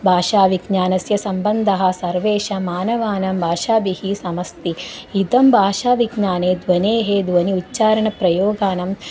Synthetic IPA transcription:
bʱaːʃaːʋiɡɲaːnɐsjɐsɐmbɐnd̪ʱɐɦɐ̆sɐɾʋeːʃɐmaːnɐʋaːnɐmbʱaːʃaːbihisɐmɐst̪iid̪ɐmbʱaːʃaːʋiɡɲaːneːd̪ʋɐneːɦed̪ʋɐniutːt͡ʃaːɾɐɳɐpɾɐjoːɡaːnɐm

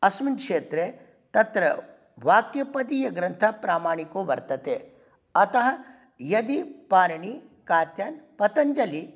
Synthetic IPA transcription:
ɐsminkʂeːt̪ɾe | t̪ɐt̪ɾɐ̰ | ʋaːkjɐpɐd̪iːjɐɡɾɐnt̪ʰapɾaːmaːɳ̃ikoʋɐɾt̪ɐt̪eː | ɐt̪ɐɦɐ | jɐd̪ipaːɾɐɳikaːt̪jɐnpɐt̪ɐɲd͡ʒɐli

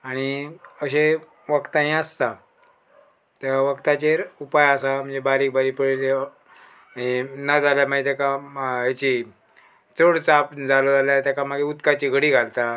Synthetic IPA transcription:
aɽ̃iəɕe | ʋəkt̪ãɦĩəst̪a | t̪aaʋəkt̪at͡ɕeɾupajasam̤əɳd͡zebaɾiːk̚baɾipəɭete | ɦenad͡zaljam̤aet̪akaɦet͡ɕi | t͡səɽt͡sapd͡zalod͡zaljat̪jakamaɡeut̪kat͡ɕiɡʱəɽiːɡʱalt̪a

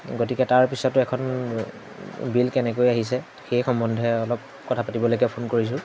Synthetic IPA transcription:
ɡotikɛtaɹpisɔtʊɛkʰɔn | bilkɛnɛkojaɦis̬ɛ | xejxɔmbɔndʱɛɔlɔp̚ | kɔtʰapatibɔlojkɛpʰonkoɹis̬ʊ̃

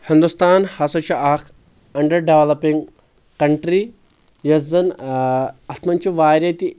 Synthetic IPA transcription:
hɪnd̪ust̪aːnhɐsɐt͡ʃʰuʔak | ɐɳɖɐɾɖeʋlɐpiŋɡ | kɐɳʈɾi | jɐzɐn | ɐt̪mɐnt͡ʃiʋaːɾʲɐt̪i

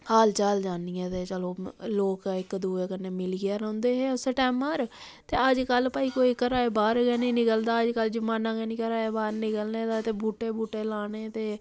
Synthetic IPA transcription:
haːlt͡ʃəld͡ʒaːnijɛ̃ːt̪eːt͡ʃəloːloːkːɪkd̪uːeːkənːeːmɪlɡɪjaːɾɔ̃ːnd̪eːɦeːsəʈɛːməɾ | t̪eːəd͡ʒkəlpaːiːkoːikəɾaːeːbaːɾɡɛːnĩːnɪkəld̪aːəd͡ʒkəld͡ʒəmaːnãːɡɛːnĩːkəɾaːeːbaːɾnɪkəlneːd̪aːt̪eːbuːʈeːbuːʈeːlaːɽ̃eːt̪eː

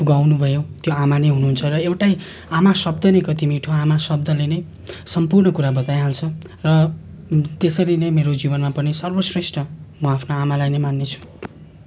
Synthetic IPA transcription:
puɡawnubʱʌjot̪joamanʌjɦunuɦunt͡sʰʌrʌewʈaj | amasʌb̚d̪ʱʌnekʌt̪imiʈʰoamasʌb̚d̪ʱʌlenʌj | sʌmpurnʌkuɾabʌt̪ajɦalt͡sʰʌ | rʌ | t̪esʌɾinʌjmeɾod͡zibʌnmapʌnisʌrbʌsresʈʌmʌapʰnoamalajnʌjmanːet͡sʰu̥

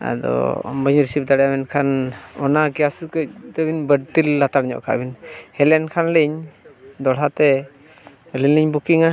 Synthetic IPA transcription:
a̰d̪ɔ̰mbəɲɾsip̚d̪aɽɛjamɛnkʰanɔnaɡijaskəc̚d̪ɔbinbəɖ̚t̪ilːat̪aɽɲɔ̰ʔkʰa̰ʔbinhɛlɛnkʰanləɲd̪ɔɽɦat̪ɛ | linliɲbukiŋa

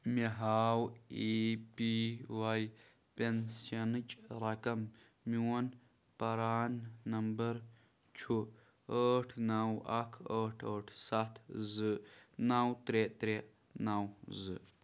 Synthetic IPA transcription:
miɦawipiwaj | pensanɨt͡ʃʼɾakɐmː | iwɔn | paɾanːɐmbɐɾ | t͡ʃʰu | əʈʰnawakʰəʈʰəʈʰsat̪ʰzɨnawt̪ɾet̪ɾe | nawzɨ̰

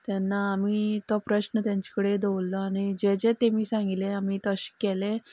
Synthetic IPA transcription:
t̪ɛnːaːmiːt̪ɔpɾəɕnət̪jãɲt͡ɕi̥kəɽed̪eulːɔaɽ̃id͡ʑed͡zet̪emiːsãŋɡilẽamiːt̪ɔəɕi̥kelẽ

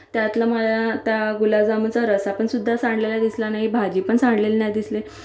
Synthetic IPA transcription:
t̪jat̪lamalat̪jaɡulad͡zamət͡saɾəsapəɳsud̪ʱːasãɳɖlelad̪islanaɦibʱad͡ʑipəɳsaɳɖlelnajd̪isle

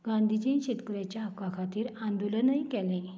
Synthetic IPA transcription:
ɡãnd̪ʱid͡ʑĩnɕet̪kəɾjat͡ɕjakakʰat̪iːɾãnd̪ulənajkɛlẽ

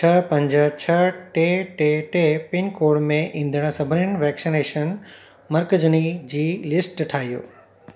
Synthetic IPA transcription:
t͡ɕʰɐpɐ̃ɲd͡ʑət͡ɕʰɐʈeʈeʈepɪnkoːɽmẽʔĩːnd̪əɽ̃ə̆sɐbʱənɪnʋɛːksineːʃən | mɐɾkəd͡ʑənid͡ʑiːlɪsʈʈʰaːɦijo̰ː

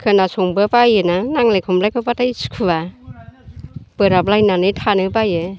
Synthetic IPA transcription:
kʰɯnasɔŋbɯpajɯnanaŋlejkʰɔmlajkʰɔpatajskʰuba | b̥ɯɾap̚lajnanɯjtʰanɯpajɯ

